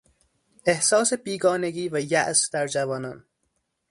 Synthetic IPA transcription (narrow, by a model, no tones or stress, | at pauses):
e̞hsɒːsebiːɡɒːne̞ɡiːvæjæʔsd̪æɾd͡ʒævɒːnɒːn